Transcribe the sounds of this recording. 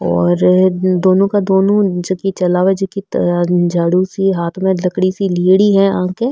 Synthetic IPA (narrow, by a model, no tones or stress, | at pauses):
ɔːɾd̪oːnõkad̪oːnõd͡ʒokit͡ʃɐlaːʋed͡ʒokid͡ʒʱaːɽusiɦaːt̪ʰmẽlɐkɽisiliːɽiɦɛ̃ãːke